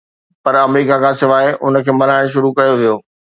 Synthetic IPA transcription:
pɐɾɐmɾiːkakʰãːsɪʋaːɪʔʊ̰nə̆kʰeːmɐlaːɪɽ̃ʃ̬ʊɾukɐjoʋijoː

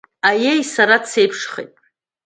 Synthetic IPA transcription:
ajejsaɾat͡sʰe̞jpʰʂχejtʼ

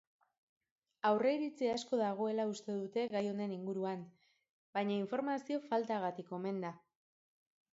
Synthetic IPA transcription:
awre̞iɾit͡seasko̞ðaɣ̞o̞e̞laust̪e̞ðut̪e̞ɣajo̞ne̞niŋɡuɾuan | bajɲaiɱfo̞ɾmasio̞falt̪aɣat̪iko̞me̞nd̪a

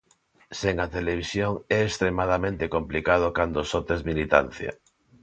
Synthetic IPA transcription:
seŋat̪eleβ̞isjoŋɛest̪ɾemað̞amẽnt̪ekomplikað̞okand̪osot̪ezmilit̪a̰n̟θja̰

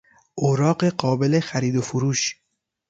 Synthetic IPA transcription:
ʔoɾɒːɢeɢɒːbele̞xæɾiːd̪ofuɾuːʃ

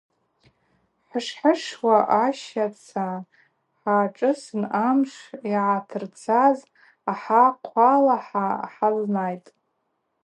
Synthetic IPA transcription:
ħaʂħəʂwaʔaʃat͡sʰa | ħaːʈ͡ʂʼɨsɨnamʂiʕatʰɨrt͡sʰaz | aħaqʷʰalaħaħaznajtʼ

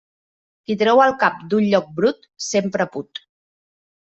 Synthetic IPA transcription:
t̪it̪ɾɛwəlˠkap̚d̪unʎɔk̚bɾut̪ | sempɾəput̪

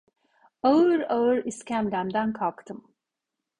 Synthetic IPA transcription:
aɯɾaɯɾiscʲæmd̪æmd̪ænkʰalˠkt̪ʰɯm

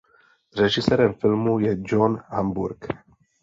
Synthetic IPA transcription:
ɾɛʒisɛɾɛnfilmujɛd͡ʒonhambuɾɡ

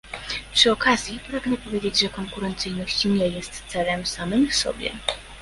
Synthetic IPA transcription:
pʂɘɔkazʲjipɾaɡnɛpɔvjed͡ʑed͡ʑʐɛkɔŋkuɾɛnt̪sɘjnɔɕt͡ɕɲɛjɛst̪sɛlɛmsamɘmsɔ̰bʲjɛ̰

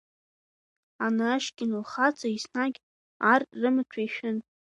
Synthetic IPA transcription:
anaʃɡʲɪnulχat͡sʰʼaisnaɡʲ | arːɨmɨt͡ʃʷʰajʃᶣɪn

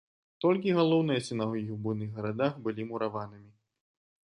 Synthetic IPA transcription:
t̪ɔlʲk̬ʲiɣalˠɔwnɨjɐsʲɨnavjiwbunɨɣɣɐɾad̪axbɨlʲimuɾavanɨmʲi

